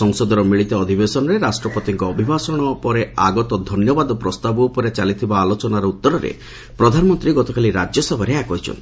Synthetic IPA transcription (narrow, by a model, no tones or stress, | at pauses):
ɔŋsɔd̪ɔɾɔmiɭit̪ɔɔd̪ʱibesɔnɔɾeɾasʈɾɔpɔt̪iŋkɔːbʱibasɔɽ̃ɔpɔɾeaɡɔt̪ɔd̪ʱɔnjɔbad̪ɔpɾɔst̪abupɔɾet͡ʃalit̪ʰibaːlot͡ʃɔnaɾɔut̪ːɔɾɔɾḛ | pɾɔd̪ʱanɔmɔnt̪ɾiɡɔt̪ɔkaliɾad͡ʒjɔsɔbʱɔɾeakɔɦit͡ʃʰɔ̰nt̪i